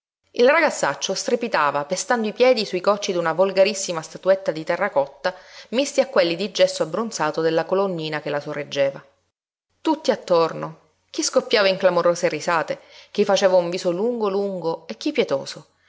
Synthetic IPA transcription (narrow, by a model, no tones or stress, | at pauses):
ilraɡat̪sːat͡ʃːost̪ɾepit̪aːvapest̪and̪oipjɛːd̪isuikɔt͡ʃːid̪unavolɡaɾisːimast̪at̪uet̪ːad̪it̪ɛrːakɔt̪ːamist̪iakːwelːid̪id͡ʒːɛsːoabːɾunsaːt̪od̪elːakolonːiːnakelasorːed͡ʒːeːva | t̪ut̪ːiat̪ːorno | kiskopːjaːvaiŋklamoɾoːserisaːt̪ek̟ifːat͡ʃeːvauɱviːsoluŋɡoluŋɡoek̟ːipːjɛt̪o̰ːso